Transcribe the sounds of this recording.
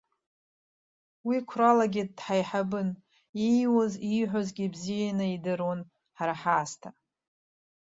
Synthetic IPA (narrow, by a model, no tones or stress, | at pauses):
wikʷʰralaɡʲɪdħajħabɨn | ijwoziħʷazɡʲibzijanɨidɨron | ħaɾaħaːstʰa